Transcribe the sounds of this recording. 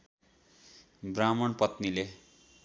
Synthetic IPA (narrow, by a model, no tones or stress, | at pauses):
bramʌɳpʌt̪nile